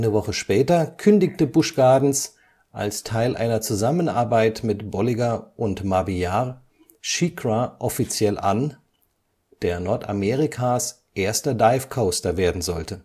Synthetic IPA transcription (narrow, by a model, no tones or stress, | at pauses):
ʔaɪnəvɔχəʃpɛːtɐkʰʏndɪktəbʊʃɡ̥aːɐdn̩s | ʔa̰lstʰaɪlʔa̰ɪnɐt͡suzamənʔa̰ɐbaɪtmɪtb̥ɔliɡaʔʊntmabijaʁ | ʃikʁaʔɔfit͡sjɛlʔa̰n | d̥eːɐnɔɐta̰mɛːʁikʰaːs | ʔeːɐstɐdaɪfkʰaʊstɐveːɐdn̩zɔltə